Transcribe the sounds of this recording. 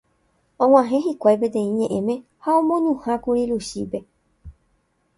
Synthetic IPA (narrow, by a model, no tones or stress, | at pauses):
õŋ̃ãɦẽ̞ɦikʷajp̬et̪ẽ̞ĩɲẽ̞ʔẽ̞mẽ̞ | haõmõnũhãkuɾiɾuʃḭpe̞